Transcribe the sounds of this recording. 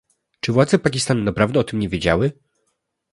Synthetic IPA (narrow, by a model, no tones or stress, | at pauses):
t͡ʂɘvwad̪zɛpakʲist̪annːapɾavd̪ɛɔt̪ɘmɲɛvʲjed͡ʑa̰wɘ